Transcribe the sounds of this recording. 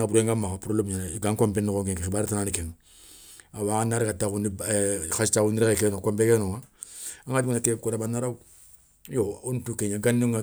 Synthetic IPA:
buɾeŋɡamakapuɾolobɲanɡaŋkombenːikoŋkeŋkeibaɾitananikenu | awaanːaɾikatakunixastauniɾeekenokombekenoŋaaŋadimunatekoɾabanːaɾau | joontukeɲaɡanːiŋa

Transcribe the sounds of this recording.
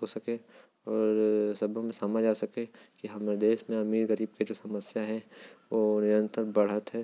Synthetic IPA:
ɦosɐkẽ | ɔːɾsɐbʱõmẽsaːmad͡ʒaːsɐkẽkiɦɐmɾd̪eːʃmẽɐmiːɾɣəɾiːb̚ked͡ʒoːsɐməsjaɦɛ̃ʋoːnɪɾə̃nt̪əɾbɐɽɦət̪ɦɛː

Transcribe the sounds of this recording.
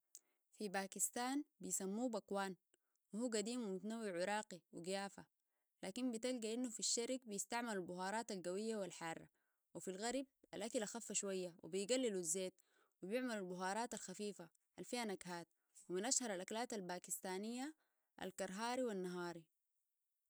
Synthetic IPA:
fibaːkist̪aːnbijsamːuːbakwaːn | wihuːɡad̪iːmwimut̪anawːiʕʊɾˤɑːqiwiɡijaːfa̰ | laːkimbit̪alɡaʔinːufiʃːaɾikbijist̪aʕmalalbʊhɑːɾˤɑːt̪alɡawijːawalħɑrˤːɑ̰ | wifilɣɑɾˤb̚alʔakalʔaxafːaʃwajːawḭbijɡalːiluzːeːt̪̚ | wibjɪʕmalalbʊɦɑːɾˤɑːt̪alxafiːfa | halfihanaɡhaːt̪̚ | wiminʔaʃhɑɾˤalʔaklaːt̪albaːkist̪aːnijːa | ʔa̰lkɑɾˤɦɑːɾiwanːaɦɑːɾi

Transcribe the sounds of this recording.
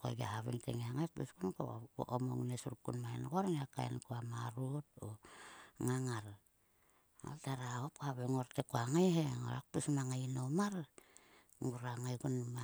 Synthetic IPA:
ko̰ɡa̰haβḛŋtḛŋeaŋajpuskunko̰o̰ʔomo̰ŋnesuɾkṵnmaenkoɾneakaḛnkoamaɾuto | ŋaŋaɾ | o̰ltaɾaop̚kohaβeŋoɾtekoaŋajheŋo̰ɾak̚pusmaŋajnomaɾ | ŋuɾaŋajɡunma

